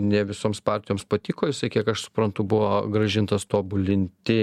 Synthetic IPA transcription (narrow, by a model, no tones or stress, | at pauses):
nʲɛʋʲɪsoːmspɑɾʲt̪ʲɪjoːmspɐt̪ʲikoːjɪsɐɪkʲiɛkɐʃsʊ̥pɾɐnt̪ʊbʊʋoːɡɾɐʒʲɪnt̪ɐst̪oːbʊlʲɪnʲt̪ʲɪ